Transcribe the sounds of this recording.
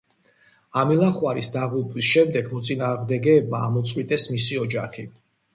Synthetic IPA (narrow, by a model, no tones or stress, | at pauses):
amilˠaχwaɾisd̪aʁulˠpʼwisʃɛmd̪ɛɡmɔt̪sʼinaːʁmd̪ɛɡɛːbmaːmɔt̪sʼqʼwit̪ʼɛsmisiɔd͡ʒaχi